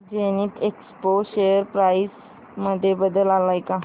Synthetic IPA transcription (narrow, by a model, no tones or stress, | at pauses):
d͡ʑeniʈʰekspoɕejəɾpɾajs | məd̪ʱːjebəd̪əlalajka